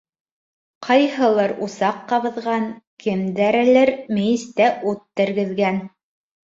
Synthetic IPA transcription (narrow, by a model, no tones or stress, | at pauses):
qʰɑjhɤ̆lˠɤɾusɑqːɑβɤ̆ðʁɑŋkʰɘ̆md̪æɾɘ̆lɘɾmɘ̆jɘ̆st̪æʔʉt̪ːɘ̆ɾɡɘ̆ðɡæn